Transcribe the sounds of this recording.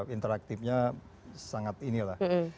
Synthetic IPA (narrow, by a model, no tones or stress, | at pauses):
int̪əɾak̚t̪ipɲa | saŋat̪inilah